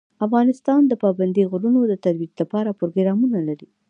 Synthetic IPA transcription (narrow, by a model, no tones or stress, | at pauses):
afɣɑnɪst̪ɑnd̪əpɑband̪iɣʊɾunod̪ət̪aɾwitlapɑɾapɾoɡɾɑmunalaɾi